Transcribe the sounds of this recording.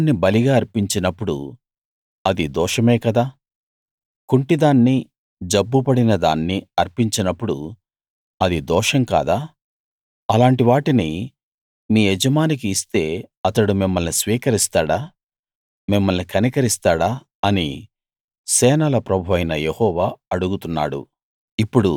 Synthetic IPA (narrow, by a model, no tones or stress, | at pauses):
nːibɐliɡaːɐɾpiɲt͡ʃinɐpːuɽṵ | ɐd̪id̪ɔːʂɐmɛːkɐd̪aː | kuɳʈid̪aːnːi | d͡ʒɐbːupɐɽinɐd̪a̰ːnːiɐɾpiɲt͡ʃinɐpːuɽṵ | ɐd̪id̪ɔːʂɐŋka̰ːd̪aː | ɐlaːɳʈiʋaːʈini | miːɛd͡ʒɐmaːnik̬iːst̪e̞ːɐt̪ɐɽumimːɐlnisʋiːkɐɾist̪aːɽaː | mimːɐlnikɐnikɐɾist̪aːɽaː | ɐnḭ | sɛːnɐlɐpɾɐbʱuʋɐjnɐjehɔːʋaːɐɽuɡut̪unːa̰ːɽṵ | ipːuɽu